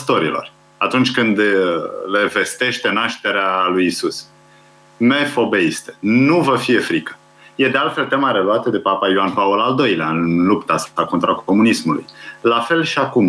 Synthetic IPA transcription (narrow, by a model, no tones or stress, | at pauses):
st̪o̞ɾḭlo̞̰r | at̪unt͡ʃʲkɨnd̪le̞ve̞st̪e̞ʃt̪e̞naʃt̪e̞ɾealujisus | me̞fo̞be̞ist̪e̥nuvəfije̞fɾikə̥ | je̞d̪ealt̪fe̞lt̪e̞maɾe̞luat̪əd̪e̞papajoanpaolald̪o̞jleaɨnlupt̪asako̞nt̪ɾako̞munismulṵjlafe̞lʃiakum